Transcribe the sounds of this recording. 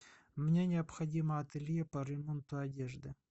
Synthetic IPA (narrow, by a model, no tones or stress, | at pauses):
mnʲenʲɪɐpxɐdʲiməɐt̪ɪlʲjepɐɾʲɪmont̪ʊɐdʲeʐd̪ɨ